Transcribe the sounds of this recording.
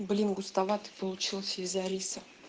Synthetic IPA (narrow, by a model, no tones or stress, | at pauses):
blʲinɡʊst̪avat̪ɨ̥pəlˠʊt͡ɕilˠsʲəizɐɾʲisə